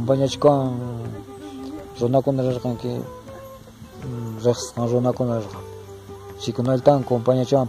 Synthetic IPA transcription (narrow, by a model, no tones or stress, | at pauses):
mpaɲat͡ʃɪkawaŋ | ɾʊnakʊnaɾeɾqɑŋkɪ̰ | ɾeχssqɑŋɾʊnakʊnaɾeɾqɑŋ | t͡ʃɪkʊnaʎt̪aŋkompaɲat͡ʃwam